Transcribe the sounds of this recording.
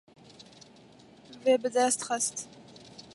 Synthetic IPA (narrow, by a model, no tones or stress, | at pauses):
vebɨzastχɐstʰ